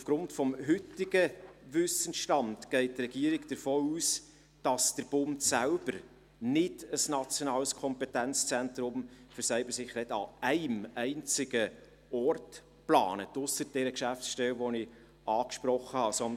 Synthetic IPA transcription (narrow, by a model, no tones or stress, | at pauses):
ufɡ̥ɾʊntfɔmɦʏtːɪɡəʋʏsənʃtɑntɡ̥ɛɪt̚trɛɡ̥iəɾɪkd̥əɾfoːuːs | d̥ɑsd̥əɾb̥ʊndsælb̥əɾ | nɪdəsnɑt͡sjonɑːləskʰɔmpɛtænt͡st͡sɛnt̪ɾʊmfəɾsɛɪbəsɪχnɛtɑ̰ɛɪmɛɪnt͡sɪɡə | ɔrt | plɑ̰ːnətʊsəɾd̥ɛɾəkʃæfsʃtɛwʋɔnɪ | ɑːkʃpɾɔχːəhɑsɔn